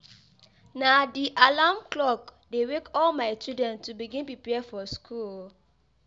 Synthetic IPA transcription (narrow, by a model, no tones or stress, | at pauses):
nadiʔalamklɔkdewekɔlmaɪt͡ʃudɹɛ̃ntːubiɡĩnpipɛfɔskʰul